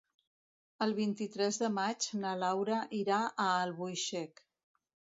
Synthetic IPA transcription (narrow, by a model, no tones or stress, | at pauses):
əlˠβint̪it̪ɾɛzðəmad͡ʒnəlawɾəʔiɾaʔəːlˠβujʃɛk